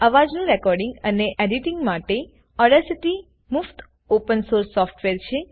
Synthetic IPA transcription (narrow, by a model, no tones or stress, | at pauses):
əʋad͡ʒnũɾɛkɔɾɖɪ̃ŋɡəneʔeɖiʈiŋɡmaʈe | ɔɾɖəɾsiʈi | muft̪ʰ | opənsoɾsːɔfʈʋeɾt͡ʃʰe